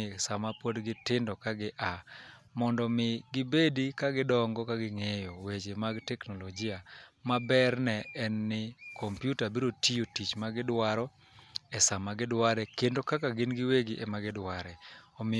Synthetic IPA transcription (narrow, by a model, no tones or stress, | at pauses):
samapwodɡɪtɪndɔkaɡɪʔa | mɔndɔmɪɡɪbedikaɡɪdɔŋɡɔkaɡɪŋejowet͡ʃemaɡtɛknoloɡɪamabɛrnɛɛnːɪkʰɔmpjutabiɾotijotit͡ʃmaɡɪdwaɾɔ | ɛsamaɡɪdwaɾɛkendokakaɡɪnɡɪweɡiʔɛmaɡɪdwaɾɛɔmɪ